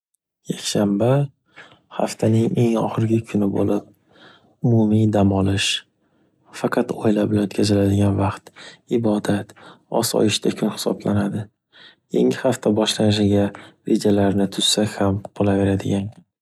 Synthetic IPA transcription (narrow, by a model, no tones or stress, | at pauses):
jakʲʃamba | haft̪ʰanɪŋe̞ŋɒχɨɾɪɡʲɪkʲʰʊnɪbo̰lɪp̚ | ʊmʊmid̪amɒlɪʃ | fɑqʰɑt̪ɒjlabɪlanot̪kʲʰazɪlad̪ɪɡʲanvɑqt̪ɪbɒd̪at̪ɒ̰sɒ̰jɪʃt̪ʰakʲʰʊnhɪ̥sɒ̰blanad̪ɪ | jḛŋʲɪhaft̪ʰabɒʃlanɪʃɪɡʲaɾe̞d͡ʒalaɾnɪt̪ʰʊz̥sakʲhamqʰolˠave̞ɾad̪ɪɡʲan